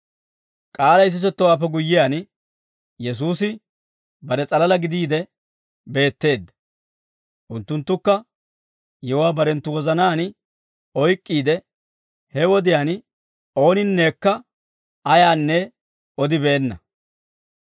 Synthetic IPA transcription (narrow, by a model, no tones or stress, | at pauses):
kʼaːlɐɪs̬ɪs̬ɛt̪ːɔwaːpːɛɡʊjːɪjaːn | jɛs̬uːsɪ | bɐɾɛt͡sʼɐlɐlɐɡɪd̪iːd̪ɛ | be̞ːt̪ːe̞ːd̪ːɐ | ʔʊnt̪ːʊnt̪ːʊkːɐ | jɛwaːbɐɾɛnt̪ːʊwɔzɐnaːn | ɔjkʼːiːd̪ɛ | hɛwɔd̪ɪjaːn | o̞ːnɪnːe̞ːkːɐ | ɐjaːnːɛ | ɔd̪ɪbeːnːɐ